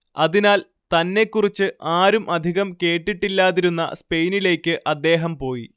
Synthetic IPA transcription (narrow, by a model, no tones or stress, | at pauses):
ɐðinaːl | t̪ɐnːe̞kːurit͡ɕːɨʔaːɾumʔɐd̪ʱiɣɐmke̞ːʈːiʈːilːaːðiɾunːɐ̰spe̞jnile̞ːkʲːɨʔɐd̪ːe̞ːɦɐmpo̞ːji